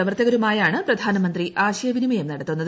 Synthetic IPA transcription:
ɐʋɐrt̪ːɐɣɐɾumaːjaːɳɨprɐd̪ʱaːnɐmɐnd̪riʔaːɕɐjɐʋinimɐjɐmnɐɽɐt̪ːunːɐð

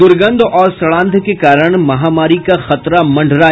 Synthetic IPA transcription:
ʊɾɡə̃nd̪ʱɔːɾsɐɭãːnd̪ʱkekaːɾəɽ̃mɐɦaːmaːɾikaxɐt̪ɾamɐ̃ɳɖʱɾaː

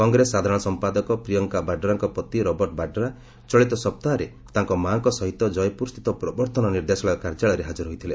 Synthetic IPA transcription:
kɔŋɡɾesːad̪ʱaɾɔ̃ɔsɔmpad̪ɔkɔpɾijɔŋkabaɖɔɾaŋkɔpɾɔt̪iɾɔbɔɾʈbaɖɔɾa | t͡ʃɔɭit̪ɔsɔp̚t̪aɾe | t̪aŋkɔmaŋkɔsɔɦit̪ːɔd͡ʒɔjpuɾst̪it̪ɔpɾɔbɔɾt̪ʰɔnɔniɾd̪esɔɭɔɔkaɾd͡ʒaɭɔɾeɦad͡ʒɔɾɦojt̪ʰile

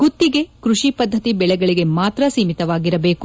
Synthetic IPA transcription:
ɡut̪ːiɡe̞kɾuʂipɐd̪ʱːɐt̪ibɛɭɛɡɐɭiɡe̞maːt̪ɾɐsiːmit̪ɐʋaːɡiɾɐbe̞ːku

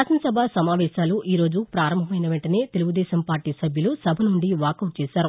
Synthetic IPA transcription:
aːsɐnɐsɐbʱɐsɐmaːʋɛːʃaːluʔiːɾo̞ːd͡ʒupɾaːɾɐmbʱɐmɐjnɐʋeɳʈɐne̞ːt̪eluɡud̪ɛːʃɐmpaːɾʈiːsɐbʱjɐlusɐbʱɐnuɳɖiʋaːkɐwʈ̚t͡ʃɛːʃaːɾu

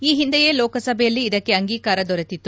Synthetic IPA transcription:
iːɦind̪ɛje̞ːlɔːkɐsɐbʱɛjɐlːiːd̪ɐkːe̞ɐŋɡiːkaːɾɐd̪ɔɾet̪it̪ːu

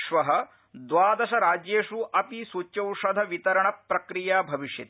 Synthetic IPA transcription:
ʂʋɐɦɐ̆ | d̪ʋaːd̪ɐʃɐɾaːd͡ʒjeːʂuʔɐpisut͡ʃːɐwʂɐd̪ʱɐʋit̪ɐɾɐɳɐpːɾɐkɾijaːbʱɐʋiʂjɐ̰t̪

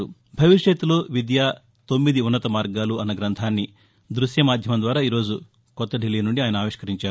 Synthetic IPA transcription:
u | bʱɐʋiʂjɐt̪ːuloːʋid̪jaː | t̪o̞mːid̪iunːɐt̪ɐmaːɾɡaːluɐnːɐɡɾɐnt̪ʰaːnːi | d̪ɾusjɐmaːd̪ʱjɐmɐnd̪ʋaːɾaːiːɾo̞ːd͡ʒu | kɔt̪ːɐɖiliːnuɳɖiaːjɐnɐaːʋiʂkɐɾiɲt͡ʃaːɾu

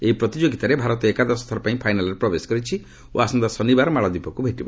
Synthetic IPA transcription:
eipɾɔt̪id͡ʒoɡit̪aɾebʱaɾɔt̪ɔekad̪asɔt̪ʰɔɾɔpãĩpʰajnalɔɾepɾɔbesɔ̥kɔɾit͡ʃʰi | o̰asɔnd̪ɔsɔnibaɾɔmaɭɔd̪ipɔkubʱeʈibɔ

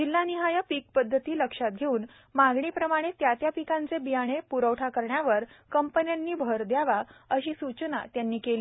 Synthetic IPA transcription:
d͡ʑilːaniɦajapik̚pəd̪ʱːət̪iːləkʂat̪̚ɡʱeuːn | maɡɳiːpɾəmaɽ̃et̪jat̪japikãnt͡sebijaɽ̃epuɾəʋʈʰakəɾɳjaʋəɾkəmpənjanːiːbʱəɾd̪jaʋaəɕiːsut͡ɕnat̪janːiːkeliː

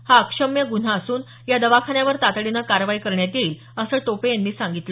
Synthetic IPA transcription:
haəkʂəmjəɡun̤aəsuːn | jad̪əʋakʰanjaʋəɾt̪at̪ɽinakaɾʋaikəɾɳjat̪iːl | əsəːʈopejanːiːsãŋɡit̪lə

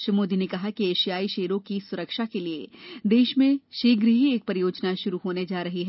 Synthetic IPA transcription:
ʃəmoːd̪inekɐɦakieːʃijaːiʃeːɾõkisʊɾəkʃakelied̪eːʃmẽʃeːɡɾɦieːk̚pɐɾɪjoːd͡ʒnaʃʊɾuɦoːned͡ʒaːɾɐɦiɦɛ

